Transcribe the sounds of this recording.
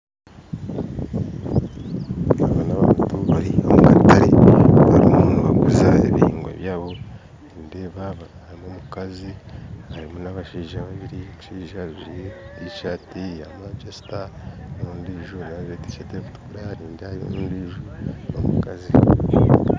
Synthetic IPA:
aβanaβaːntuβaɾiauɡataɾiβaɾimonaβaɡuzaeβihḭːŋɡwa̰βjaːβo̞ | ɾiːndeβaβaɾimomukazihaɾimonaβaʃiːʒaβaβiɾimuʃiːʒazuɾieiʃaːtijamad͡ʒesi̥tanouːndiʒonaββeti̥keteβutuɾaɾiːndehaio̰uːndiʒonomukazi

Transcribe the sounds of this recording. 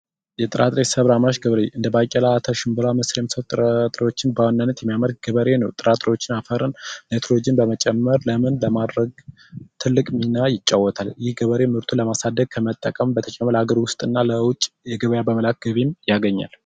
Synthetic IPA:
jɛt̪ʼɨɾʔat̪ʼɾesəβɾamaʃɡəβəɾeʔɨnd̪əbakʼɛlaːt̪ʰəʃɪmbɨlamɨsɾemːisəwt̪ʼɨɾat̪ʼɾewo̞t͡ʃːɪnbəwanːanːət̪jɛmːijaməɾɡ̚ɡ̥əβəɾe̞nəwt̪ʼɨɾat̪ʼɾewot͡ʃːɪnafəɾɨnnet̪ʰɾolod͡ʒinbəmət͡ʃʼɛmːəɾləmɨnləmad̪ɾəɡ | t̪ʰɨlːɨkʼminajɪt͡ʃʼːawːɔt̪ʰaljɪhɡəβəɾe̞mhɨɾt̪ʰuləmasad̪ːəɡ̚kʰəmət̪ʼːəkʼəmbət̪ʰət͡ʃʼɛmələhaɡəɾwʊst̪ʼɨnːaləwʊt͡ʃʼːjɛɡəβəjabəməlak̚ɡəβimjaɡəɲːa̰l

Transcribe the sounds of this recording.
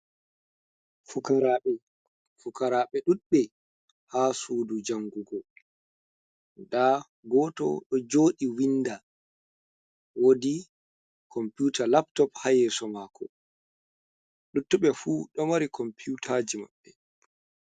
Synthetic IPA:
fukaɾaɓɛ | fukaɾaːɓɛɗuɗɓɛ | hasuːdud͡ʒaŋɡuɡɔ | da | ɡɔːtɔ̰ɗɔd͡ʒoːɗiwinda | wodi | kʰɔmpjuːtʰalaptɔphajɛsɔmaːkʰɔ | ɗutːuɓɛfuːɗɔmaɾikɔmpʰutʰad͡ʒima̰ɓːɛ

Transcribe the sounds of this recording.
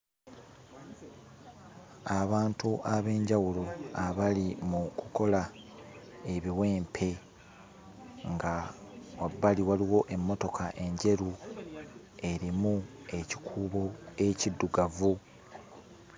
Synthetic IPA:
aβaːntuʔaβe̞ːɲɟawuloaβalimukuko̞la | e̞βiwe̞ːmpʰe̞ | ŋɡawabːaliwaliwo̞ʔe̞mːo̞to̞kʰaʔe̞ɲɟe̞ɾu | e̞ɾimue̞ci̥kʰuːβo̞e̞cidːuɡavu

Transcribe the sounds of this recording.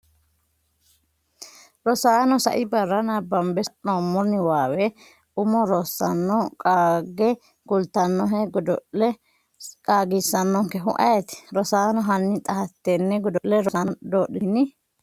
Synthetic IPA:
ɾɔsaːnɔsɐ̰ʔɪbɐrːɐnabɐmbɛʔnoːmːɔnːɪwaːwɛ | ʊmɔɾɔsːɐnːɔkʼaɡɛ | ɡ̥ʊlt̪ɐnːɔɦɛɡɔd̪ɔɛ | kʼaːɡisːɐnːɔŋkɛɦʊʔɐjɛt̪ɪ̥ɾɔsaːnɔɦɐnːɪt̪ʼɐhɐt̪ːenːɛɡɔd̪ɔʔlɛɾɔnd̪oːɗɪnɪ

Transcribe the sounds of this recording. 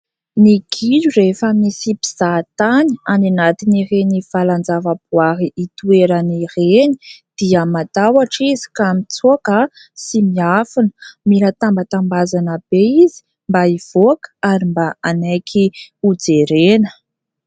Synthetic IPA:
niɡ̥ilurefəmisipiz̥at̪aniananat̪inirenifaland͡zavəbuaɦiʔːt̪ueɾənireni̥d̪̥iəmat̪awaʈ͡ʂizi̥kamit͡suakə | simiafinə̥miɾat̪ambət̪ambazanəb̥eizi̥ | mbaiv̥oakaɾimbaanajkʰiud͡zeɾenə̥

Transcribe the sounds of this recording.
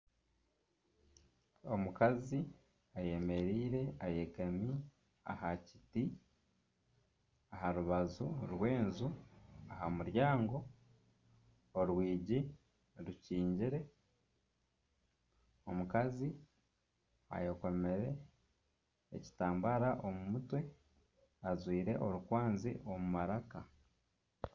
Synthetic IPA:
omukazi | aje̞me̞ɾiːɾe̞ajekami | a̰haci̥ti | aɦaɾuβazuɾwe̞ːnzuahamuɾjaːŋɡo̞ | ɾwiːɟi | ɾuciːɲɟiɾe̞ | o̞mukazi | a̰joko̞me̞ɾe̞ | ḛci̥taːmbaɾaʔo̞mumutwe̞ | azwiːɾe̞ʔo̞ɾukwaːnzḭʔo̞mumaɾaka

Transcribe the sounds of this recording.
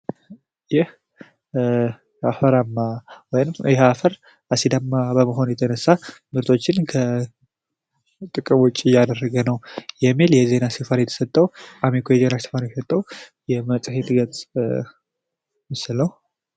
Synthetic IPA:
jɛh | afəɾamːawɔjnɨmjɛhafəɾ | ʔasid̪amːabəməɦo̞njɛt̪ʰənəsːamɨɾt̪ʰʼo̞t͡ʃːɪnkʰə | t̪ʼɨkʼɨmwʊt͡ʃʼːiɪjːad̪ərːəɡənəwjɛmːiljɛze̞nasefanjɛt̪ʰə̥sət̪ʼːəwʔamikʰojɛzenasə̥fanjɛsət̪ʼːəw | jɛmət͡sʼhet̪ʼɡətt͡sʼ | mɨsləw

